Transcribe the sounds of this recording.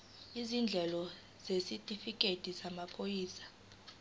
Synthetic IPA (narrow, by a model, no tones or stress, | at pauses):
izind͡ɮʱɛlɔ | z̥esitʼifikʼetʼisamapʰojiːsḁ